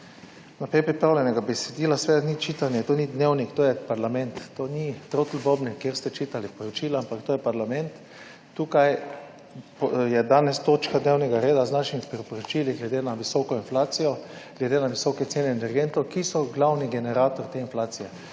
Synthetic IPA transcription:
napɾɛjpɾipɾaːwlɛnɛɡabɛsɛd̪iːlasʋɛd̪anit͡ʃiːt̪anjɛt̪oːnid̪newnikt̪oːjɛpaɾlamɛ̃nt̪ːoːnit̪ɾot̪l̩bobnɛkjeɾst̪ɛt͡ʃiːt̪alipɔɾɔt͡ʃiːlaampakt̪oːjɛpaɾlamɛnt̪ː | uːkaj | pjɛd̪aːnɛst̪oːt͡ʃkad̪neːwnɛɡaɾeːd̪aznaʃimipɾipɔɾɔt͡ʃiliɡlɛd̪enaʋisɔkɔinflaːt̪sijɔɡ̥lɛd̪enaʋisɔkɛt̪seːnɛːnɛɾɡent̪ɔkisɔɡlawniɡɛnɛɾaːt̪ɔɾt̪einflaːt̪sijɛ

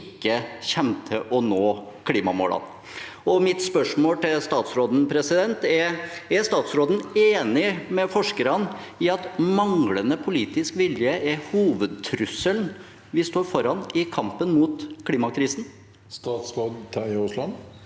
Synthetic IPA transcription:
ɪkːəçɛmt̪ʰəʔɔnoːkʰliːmɑmo̰ːlɑ̰n | ɔmɪt̪spœʂmoːlt̪ʰɪlst̪ɑːt̪sɾoːd̪n̩pʰɾɛsɪd̪ɛnt̪ɛɛst̪ɑːt̪sɾoːd̪n̩eːnɪmɛfɔʂkəɾɑn | ɪɑt̪mɑŋlənəpʰʊliːt̪ɪskʋɪljəʔɛɾhuːʋəd̪̚t̪ʰɾʉsəln | ʋɪst̪oːɾfɔɾɑnɪkʰɑmpənmut̪kʰliːmɑkʰɾiːsn̩ | st̪ɑːt̪sɾoːd̪t̪ʰɑʊslɑn

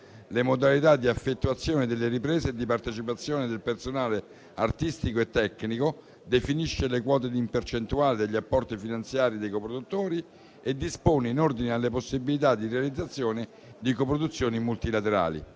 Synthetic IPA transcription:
lemod̪alit̪ad̪ːiafːet̪ːuat̪sːjoːned̪elːeɾipɾeːzeːd̪ːipart̪et͡ʃipat̪sːjoːned̪elpersonaːle | art̪ist̪ikoet̪ːɛkːniko | d̪efiniʃːelekwɔːt̪̬ed̪impert͡ʃent̪uaːled̪eʎːiapːɔrt̪ifinant̪sjaːɾid̪ejkopɾod̪ut̪ːoːɾi | ed̪ːispoːneinord̪inealːeposːibilit̪ad̪ːirealid̪zːat̪sːjoːne | d̪ikopɾod̪ut̪sːjoːnimult̪ilat̪eɾa̰ːlḭ

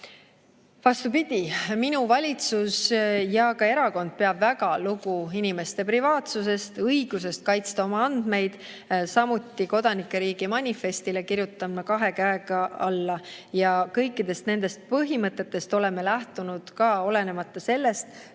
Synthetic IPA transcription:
vɑst̪upid̪̥ʲiminuvɑlʲit̪susjɑkɑe̞ɾɑko̞nd̪̥̚pe̞ɑb̥væɡɑluɡ̥uinime̞st̪e̞privɑːt̪suse̞st̪ɤjɡ̥use̞st̪̚kɑjt̪st̪ɑo̞mɑɑnd̪̥me̞jd̪̥ | sɑmut̪ːiko̞d̪̥ɑnikˑːeɾiːɡimɑnʲife̞st̪ile̞kiɾjut̪ːˑɑmːɑkɑɦe̞kæeɡɑɑlːɑjɑkɤjkːˑid̪̥e̞st̪ne̞nd̪̥e̞st̪̚pɤɦimɤt̪ːˑe̞t̪ːˑe̞st̪o̞le̞me̞læht̪unud̪̥kɑo̞le̞ne̞mɑt̪ːɑse̞lːe̞st̪

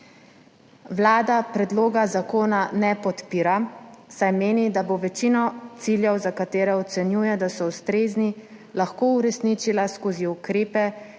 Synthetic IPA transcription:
wlaːd̪apɾɛd̪loːɡazakoːnanɛpɔt̪piːɾasajmeːnid̪aboʋɛt͡ʃinɔt̪siljɛwzakat̪eːɾɛɔt̪sɛnjuːjɛd̪asɔust̪ɾeːzni | laxkouɾɛsnit͡ʃilaskoːziukɾeːpɛ

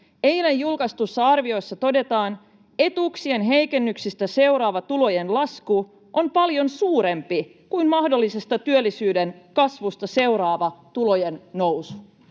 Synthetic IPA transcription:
e̞jlejːulkɑst̪usːɑɑrʋio̞sːɑt̪o̞de̞t̪ɑːn | e̞t̪uksienɦe̞jke̞nːyksist̪æse̞uwɾɑːʋɑt̪ulo̞jenlɑsku | ʔo̞mpɑljo̞nsuːɾe̞mpi | kujnmɑhdo̞lːise̞st̪ɑt̪yølːisyːdenkɑsʋust̪ɑse̞wɾɑːʋɑt̪ulo̞jenːowsu̥

